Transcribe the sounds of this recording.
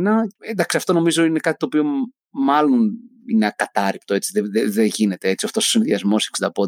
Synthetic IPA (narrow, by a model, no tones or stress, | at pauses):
nɐend̪ɐksiɐft̪o̞no̞mizo̞ine̞kɐt̪it̪oːpio̞ | mɐlo̞nineɐkɐt̪ɐɾip̚t̪o̞e̞t͡siðeðeðeʝine̞t̪e̞et͡sioft̪o̞sosinðiɐzmo̞seksid̪ɐpo